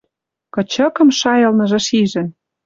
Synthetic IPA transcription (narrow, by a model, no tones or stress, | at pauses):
kɤ̆t͡ɕɤ̆kɤ̆mʃɑjɤ̆lnɤ̆ʒɤ̆ʃiʒə̆n